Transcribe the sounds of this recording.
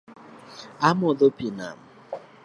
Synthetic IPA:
amɔðopina̰m̩

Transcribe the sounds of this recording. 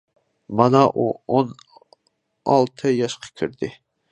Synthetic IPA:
mɑnɑʔuon | ɑ̰lˠt̪ʰɨjɑʃqʰɑ̥kʲʰiɾd̪ɪ

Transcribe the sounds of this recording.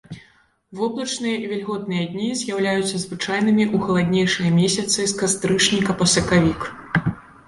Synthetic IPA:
vɔblˠɐt͡ʂnɨjɐʔivʲɛlʲɣɔt̪̚nɨjɐd̪ʲnʲizʲjawlʲajut̪sːɐzvɨt͡ʂajnɨmʲiʔuxɐlˠad̪ʲnʲejʂɨjɐmʲesʲɐt̪sɨskast̪ɾɨʂnʲikɐpɐsɐkavʲik

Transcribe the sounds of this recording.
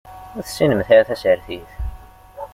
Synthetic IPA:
ʊɾθsinəmθaɾθæsəɾθiθ

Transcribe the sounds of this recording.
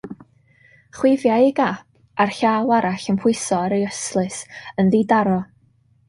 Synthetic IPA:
χwɪvjajiɡap | arɬawˠaɾaɬənpʰʊɨsɔaɾəəslˠɨsənðidaɾɔ

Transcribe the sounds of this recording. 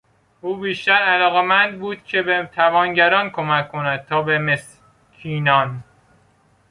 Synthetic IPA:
ʔuːbiːʃt̪æɾælɒːɣemænd̪buːd̪̥̚cʲʰebet̪ʰævɒːnɟæɾɒːnkʰomækʰkʰːonæd̪̥̚t̪ʰɒːbemes | cʰiːnɒːn

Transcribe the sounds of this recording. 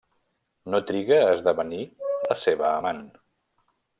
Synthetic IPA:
not̪ɾiɣəːzðəβəniləseβəːman

